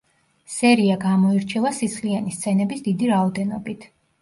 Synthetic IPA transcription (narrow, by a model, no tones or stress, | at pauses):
sɛɾiaɡamɔiɾt͡ʃʰɛvasit̪sʰlianist̪sʰɛnɛbisd̪id̪iɾaɔd̪ɛnɔbit̪ʰ